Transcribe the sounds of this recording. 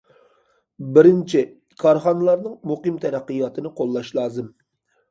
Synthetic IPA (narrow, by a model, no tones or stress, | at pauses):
bɪɾɪnt͡ʃʰi | kʰɑɾχɑnɨlˠɑɾnɨŋmuqɨmt̪ʰɛɾæqːɨjɑt̪ʰɨnɨqʰolˠːɑʃlˠɑːzɨm